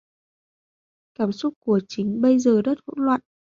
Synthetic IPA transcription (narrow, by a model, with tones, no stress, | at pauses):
kaː˧˩msʊ˦˥k͡p̚ku˧˩ət͡ɕï˨˦ŋ̟ɓə˧jzəː˨˩ɗə˦˥t̚və̰˧˥nlwa̰ː˧˨nʔ